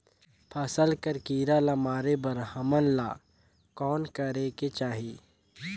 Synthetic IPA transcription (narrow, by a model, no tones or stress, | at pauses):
pʰɐsəlkəɾkiːɾalamaːɾebɐɾhəmənla̰ː | kɔːnkɐɾeket͡ʃaːɦiː